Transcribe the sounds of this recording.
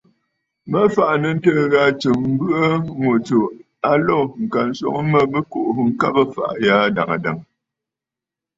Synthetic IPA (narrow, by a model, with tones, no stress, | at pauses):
mə˦fa˨ʔnə˨n̩˦təː˦ɣa˦˨t͡ʃə˨mm̩˦bɯ˦ʔə˦ŋo˨t͡so˨ | a˦lɔ˦˨ŋ̩˨ka˨n̩˦sɔ̰˦ŋə˦mə˦bə˦ko˦˨ʔhŋ̩˦ka˦bə˦fa̰˨ʔja˦˨da̰˨ŋa̰˨da˨ŋ